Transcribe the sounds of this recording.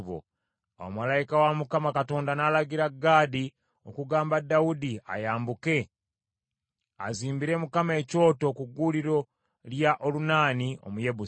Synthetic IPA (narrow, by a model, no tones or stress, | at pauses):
βo̰ | o̰malaikawamukamakato̞ːndanaːlaɡiɾaɡaːdi | o̰kuɡaːmbadːaudia̰jaːmbuke̞ | a̰ziːmbiɾe̞mukamae̞ːco̞ːto̞kuɡuːliɾo̞ | ljaʔolunaːnio̰muje̞βu